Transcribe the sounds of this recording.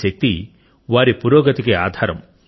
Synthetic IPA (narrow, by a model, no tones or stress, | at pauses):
ɐk̚t̪i | ʋaːɾipuɾoːɡɐt̪ikea̰ːd̪ʱaːɾɐm